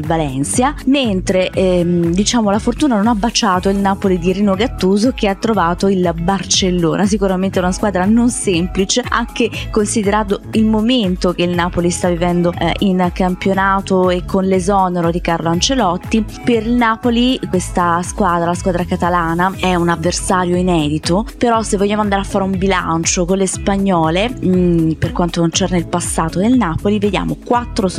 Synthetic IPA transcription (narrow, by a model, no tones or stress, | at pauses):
valɛnsjament̪ɾed̪it͡ʃaːmolafort̪uːnanonabːat͡ʃaːt̪oilnaːpolid̪ieɾiːnoɡat̪ːuːzok̟eat̪ːɾovaːt̪oilbart͡ʃelːo̰ːnʔas̬ikuɾament̪eɛunaskwaːd̪ɾanonsemplit͡ʃea̰ŋk̟ekonsid̪eɾaːnt̪oilmoment̪ok̟eilnaːpolist̪avːivɛnd̪oinkampjonaːt̪oekʰːonlezɔːneɾod̪ikarloant͡ʃelɔt̪ːi | perilnaːpolikwest̪askwaːd̪ɾalaskwaːd̪ɾakat̪alaːnaɛunavːersaːɾjoinɛːd̪it̪opeɾɔsevːoʎːaːmoand̪aɾeafːaːɾeumbila̰nt͡ʃokonlespaɲːɔːle | perkwant̪okont͡ʃɛrneilpasːaːt̪od̪elnaːpolived̪ja̰ːmokwat̪ːɾo